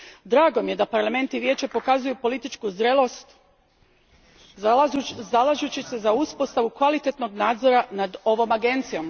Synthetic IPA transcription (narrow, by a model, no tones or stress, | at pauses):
d̪ɾaːɡo̞mije̞d̪apaɾlˠame̞nt̪iʋje̞ːt͡ɕe̞po̞kazujupo̞lit̪it͡ʃkuzɾelo̞st̪ | alaʒut͡ɕise̞zauspo̞st̪aʋukʋalit̪et̪no̞ɡnaːd̪zo̞ɾanad̪o̞ʋo̞maɡe̞nt̪sijo̞m